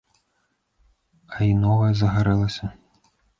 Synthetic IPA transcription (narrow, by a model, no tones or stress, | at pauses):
ɐinɔvɐjɐzɐɣaɾɛlˠɐsʲɐ